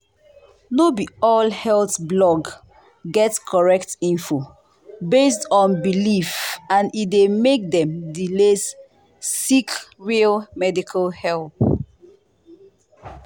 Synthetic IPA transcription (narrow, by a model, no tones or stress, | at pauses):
nobiɔlhɛlθblɔɡ | ɡɛtskʰɔɹɛk̚tĩnfo | bestɔ̃nbilifãnidemek̚dɛ̃mdilesː | ikɹilmɛdikʰalhɛlθ